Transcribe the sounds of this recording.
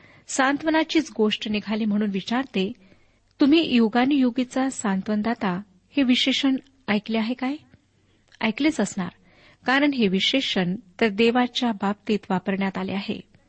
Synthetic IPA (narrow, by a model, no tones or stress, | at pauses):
sant̪ʋənat͡ɕiːt͡sɡoʂʈneɡʱaliːm̤əɽ̃uːnʋit͡ɕaɾt̪e | t̪um̤iːjuɡanijoɡit͡sasant̪ʋənd̪at̪a | heʋiɕeɕəɳ | ajkleaɦekaj | a̰jkleːt͡səsɳa̰ɾ | kaɾəɳɦeʋiɕeɕəɳt̪əɾd̪eʋat͡ɕjabab̚t̪iːt̪ʋapəɾɳjat̪alḛaɦḛ